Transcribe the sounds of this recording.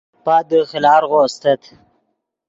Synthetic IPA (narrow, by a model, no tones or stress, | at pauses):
paːd̪əxɪlɑːɾɣost̪ət̪ʰ